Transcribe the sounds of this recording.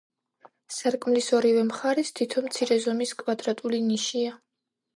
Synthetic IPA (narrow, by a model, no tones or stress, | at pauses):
saɾkʼmlisɔɾivɛmχaɾɛst̪ʰit̪ʰɔmt̪sʰiɾɛzɔmiskʼwad̪ɾat̪ʼuliniʃia